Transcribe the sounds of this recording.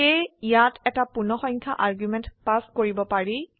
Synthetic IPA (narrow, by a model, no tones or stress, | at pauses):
eijatʰɛtapunɔxɔjŋkʰaʔaɹɡjumɛntpaskoɹibɔpaɹi